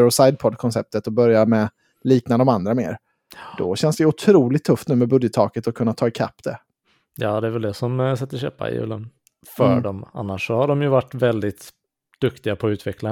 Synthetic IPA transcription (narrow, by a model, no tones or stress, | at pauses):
ɾɔsajd̪̚pʰɔd̪kʰɔnsɛp̚t̪ət̪ɔbœɾjaɾmɛ | liːknad̪ɔmand̪ɾameːɾ | d̪ɔ̰ɕɛnsd̪ɛjʊt̪ʰɾuːlɪt̪ʰːɵft̪nʉ̟ːmɛbɵd̪jət̪ʰːɑːkət̪ɔkʰɵnːat̪ʰɑːɪkʰa̰pːd̪̥ɛ | jɑːd̪ɛæɾvɛld̪ɛsɔmsɛt̪ːəɕø̰ːpa̰ɪ̰jʉ̰ːlə̰n | fœːɖɔma̰nːaʂːɔhaɖɔmjɵvaʈːvɛld̪ɪt̪ | d̪̥ɵkt̪ɪɡapʰɔʉ̟ːt̪vɛkla